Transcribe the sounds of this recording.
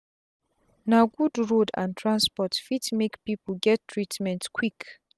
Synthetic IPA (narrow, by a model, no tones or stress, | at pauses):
naɡudɹodã̰ntʰɹãnspɔtfitmekpipəlɡɛtːʰɹitmɛ̃ntkʰwik